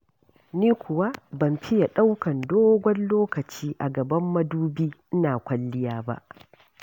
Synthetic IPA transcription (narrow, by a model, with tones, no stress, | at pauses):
niː˦kʷʊ˨wa˦bɐ˨mɸɪ˦ja˨ɗa˦wkɐ˨ndoː˦ɡʷɔ˦nloː˦kɐ˨t͡ʃiː˦ʔa˨ɡɐ˨bɐ˦mːɐ˦duː˦biː˦ʔɪ˦naː˨kʷɐ˦lːɪ˦jaː˦ba̰˦ʔ